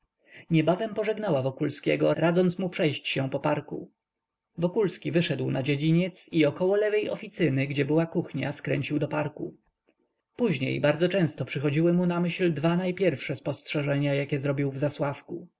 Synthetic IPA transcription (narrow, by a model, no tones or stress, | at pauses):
ɲɛbavɛmpɔʐɛɡnawavɔkulskʲɛ̰ɡɔɾad̪zɔnt̪smupʂɛjɕt͡ɕɕɛpɔpaɾkṵ | vɔkulskʲivɘʂɛd̪wnad͡ʑed͡ʑiɲɛt̪siɔkɔwɔlɛvɛjɔfʲit̪sɘnɘɡd͡ʑɛbɘwakuxɲa̰skɾɛ̰ɲt͡ɕiwd̪ɔpaɾku | puʑɲḛjbaɾd̪zɔt͡ʂɛ̃w̃st̪ɔpʂɘxɔd͡ʑiwɘmunamɘɕld̪vanajpʲjɛɾfʂɛspɔstʂɛʐɛɲajakʲɛzɾɔbʲiwvzaswafku